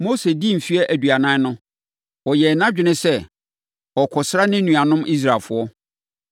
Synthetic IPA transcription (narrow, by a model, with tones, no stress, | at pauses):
mo˦se˨di˦˨m̩˨fi˦ɛ˦ʔæ˨du˨a˨nã˦nʊ̃˦ | wɔ˨jɛ˨nã˦ɪ˨nɪ̃˦sɛ˦ | ɔ˨kʰɔ˨sɾa˦nɪ̃˦nũ˨a˨nʊ̃˦mi˦s̬ɾa˨lfʊ˨˦ɔ˦